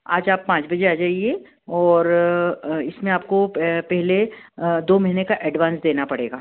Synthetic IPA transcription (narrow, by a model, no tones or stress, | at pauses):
a̰ːd͡ʒaːpːãːt͡ʃbɐd͡ʒeaːd͡ʒaːie | ɔːɾ | ɪsmẽaːp̚kopɛɦled̪oːmɐɦinekaʔɛɖʋãːnsd̪eːnapɐɽḛːɡaː